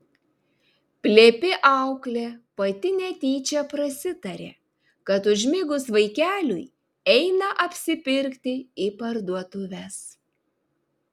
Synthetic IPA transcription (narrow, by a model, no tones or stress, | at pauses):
pʲlʲeːpʲɪʔɑʊklʲeːpɐt̪ʲɪnʲɛt̪ʲiːt͡ʃʲɛpɾɐsʲɪt̪ɐɾʲḛː | kɐt̪ʊʒʲmʲɪɡʊsʋɐɪkʲæːlʲʊ̰j | ɛɪnɐʔɐpʲsʲɪpʲɪɾʲkʲt̪ʲɪipɐɾd̪uɔt̪ʊʋʲɛs